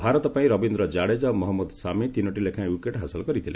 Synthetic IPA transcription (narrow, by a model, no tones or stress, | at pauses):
bʱaɾɔt̪ɔpaĩɾɔbind̪ɾɔd͡ʒaɽed͡ʒamɔɦɔmːɔd̪samet̪inɔʈilekʰãwukeʈɦasɔlɔkɔɾit̪ʰile